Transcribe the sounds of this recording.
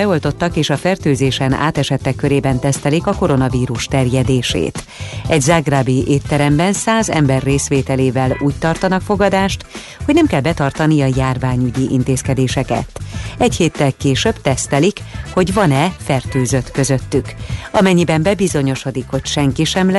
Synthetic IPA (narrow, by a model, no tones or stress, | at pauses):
ɛo̞lt̪o̞t̪ːɒkeːʃɒfɛrt̪øːzeːʃɛna̰ːt̪ɛʃɛt̪ːɛkːø̞ɾeːbɛnt̪ɛst̪ɛlikɒko̞ɾo̞nɒviːɾuʃt̪ɛrjɛd̪eːʃḛːt̪ɛɟzaɡraːbiʔeːt̪ːɛɾɛmbɛnsaːzɛ̰mbɛrːeːsʋeːt̪ɛleːvɛluːc̚t̪ɒrt̪ɒnɒkfo̞ɡɒd̪aːʃt̪ | hoɟnɛmkɛlbɛt̪ɒrt̪ɒnijɒjaːrvaːɲyɟiʔint̪eːskɛd̪eːʃɛkɛ̰t̪ɛcheːt̪ːɛlkeːʃøbt̪ɛst̪ɛlikho̞ɟvɒnɛfɛrt̪øːzøt̪kø̞zøt̪ːykɒmɛɲːibɛmbɛbizo̞ɲo̞ʃo̞d̪ikho̞cʃɛŋkiʃɛml